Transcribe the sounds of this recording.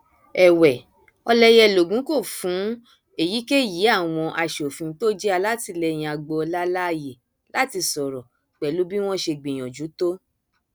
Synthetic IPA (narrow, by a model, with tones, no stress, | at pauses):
ɛ˨wɛ˨ | ɔ˧lɛ˧jɛ˧˨lo˨ɡũ˨˦ko˦˨fũ˨˦ | e˨ji˨˦ke˦ji˨˦a˦˨w̃ɔ̃˧ʔa˧ʃo˨fĩ˧˦to˦d͡ʒɛ˦a˧la˦ti˧lɛ˧˨j̃ĩ˨a˧ɡ͡bo˧ɔ˧la˦la˦˧je˨ | la˨˦ti˧sɔ˨ɾɔ˨ | k͡pɛ˨lu˦bi˦w̃ɔ̃˦ʃe˧ɡ͡bĩ˨j̃ɔ̃˨d͡ʒu˨˦to˦